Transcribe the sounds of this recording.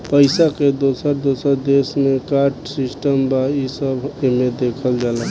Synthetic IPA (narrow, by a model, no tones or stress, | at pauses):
pəɪsaked̪osəɾd̪osəɾd̪esmekaɾʈsisʈəmbaisəbemed̪ekʰəld͡ʒala